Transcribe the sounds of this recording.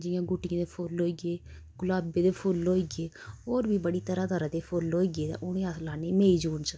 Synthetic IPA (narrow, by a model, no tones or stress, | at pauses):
d͡ʒɪjãːɡuːʈɪãːd̪eːpʰʊlɦoːiːɡeː | ɡ̥ʊlaːbeːd̪eːpʰʊlɦoːiːɡeː | oːɾbiːbəɽiːt̪əɾaːd̪aːɾãːd̪eːpʰʊlɦoːiɡeːt̪ã̰ʔʊñẽːaslaːneːmeːiːd͡ʒuːnsə